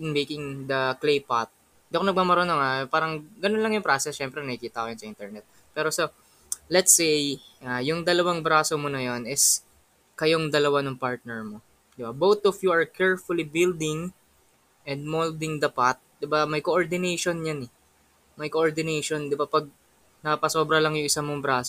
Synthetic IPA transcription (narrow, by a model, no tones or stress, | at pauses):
ɪnmejkɪŋd̪ɐklejpat̪̚ | d̪ɐkonɐɡ̚maːmɐɾonoŋapaːɾɐŋɡɐnonlɐŋjʊŋpɾasɛsʃɛmpɾɛnɐkikiːt̪ɐkʊjʊnsɐʔint̪ɛɹnɛt̪̚ | pɛːɾoso | lɛt̪sejʔajʊŋd̪ɐlɐwaŋbɾaːsomonɐjonɪs | kɐjoŋd̪ɐlɐwanʊŋpaɹt̪̚nɛɹmo̞ | d̪ɪbabowt̪ɔfjuɐɹkʰɛɹfʊlibɪld̪ɪŋ | ʔɛnd̪̚mold̪ɪŋd̪ɐpat̪̚d̪ɪbamɐjkoʔoɹd̪ɪnejʃonjanɛ | mɐjkoʔoɹd̪ɪnejʃond̪ɪbapɐɡ̚ | nɐɐpɐso̞ːbɾɐlɐŋjʊŋʔɪsamoŋbɾaːso